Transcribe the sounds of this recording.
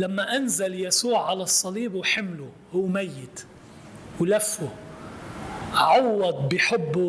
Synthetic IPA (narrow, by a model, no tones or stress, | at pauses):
lamːaʔanzaljasuːʕːalasˤːɑliːbwħɪmlʊ | hʊwːmajːɪt̪ | wlafːʊ | ʕɑwːɑd̪̚ˤbɪħɪbːu